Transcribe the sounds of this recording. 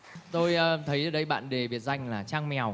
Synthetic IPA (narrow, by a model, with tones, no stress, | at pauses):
t̪o˧jəː˧t̪ʰə˨˦jʔəː˨˩ɗə˧jɓa̰ː˧˨nɗe˨˩vi˨˩ət̚za˧jŋ̟laː˨˩t͡ɕaː˧ŋmɛ˨˩˨w